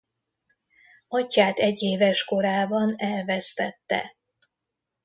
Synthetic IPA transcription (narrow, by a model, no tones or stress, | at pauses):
ɒcːaːt̪ɛɟːeːvɛʃko̞ɾaːbɒnɛlvɛst̪ɛt̪ːɛ̰